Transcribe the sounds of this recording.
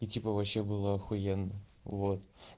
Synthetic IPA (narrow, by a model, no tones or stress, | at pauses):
itʲipəvɐɕːebɨlˠəɐxʊjenːəvot̪̚